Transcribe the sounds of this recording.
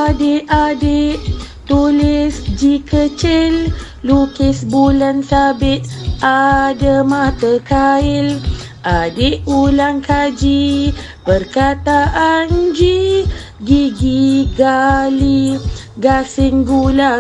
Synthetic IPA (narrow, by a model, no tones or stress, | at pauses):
adeʔadeʔ | t̪ulɪsd͡ʒikət͡ʃɪl | lukɪsbulansabɪt̪̚adamãt̪əkaɪl | ʔadeʔulaŋkad͡ʒi | bərkat̪aʔand͡ʒi | ɡiɡiɡali | ɡasɪŋɡula